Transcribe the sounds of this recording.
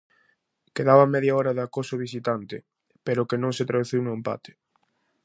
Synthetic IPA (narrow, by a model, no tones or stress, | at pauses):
keðaβɐmɛðjaɔɾɐðakosʊβisit̪ant̪ɪ | peɾʊkenõŋsɪt̪ɾaðuθiwnoempa̰t̪ɪ̥